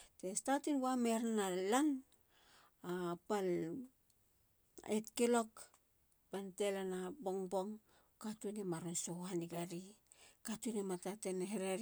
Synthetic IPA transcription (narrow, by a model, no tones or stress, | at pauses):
te̞statinwameɾanalan | apal | etkelo̞k | pantelanabo̞ŋbo̞ŋ | katunemaɾonsohaniɡaɾi | katunematateneɦeɾaɾ